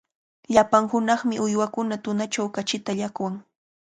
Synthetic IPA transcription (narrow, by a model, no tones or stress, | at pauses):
ʎapaŋhʊnɑχmɪʔʊjwakʊnat̪ʊnat͡ʃawkat͡ʃɪt̪aʎakwaŋ